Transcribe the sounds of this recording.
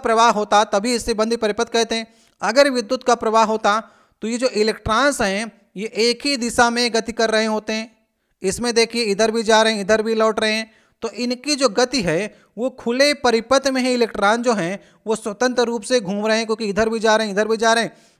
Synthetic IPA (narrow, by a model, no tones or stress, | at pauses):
pɾɐʋaːɦɦoːt̪at̪ɐbʱiɪsːebɐ̃nd̪ʱipɐɾɪpət̪̚kɛɦt̪eɦɛ̃ː | ɐɡəɾʋɪd̪ːʊt̪kapɾɐʋaːɦɦoːt̪a | t̪ojed͡ʒoːʔɪleːkʈɾãːnsɦɛ̃ | jeʔeːkɦid̪ɪsamẽɡɐt̪ikɐɾːɐɦẽɦoːt̪eɦɛ̃ː | ɪsmẽd̪eːkʰieɪd̪ʱəɾbʱid͡ʒaːɾɐɦɛ̃ɪd̪ʱəɾbʱilɔːʈɾɐɦẽɦɛ̃ː | t̪oʔɪnkid͡ʒoːɡɐt̪iɦɛ | ʋokʰʊlepɐɾɪpət̪mẽɦiɪleːkʈɾãːnsd͡ʒoːɦɛ̃ | ʋoswɐt̪ə̃nt̪ɾəɾuːpseɡʱũːmɾɐɦẽɦɛ̃kjõːkiɪd̪ʱəɾbʱid͡ʒaːɾɐɦɛ̃ɪd̪ʱəɾbʱid͡ʒaːɾəɦɛ̃ː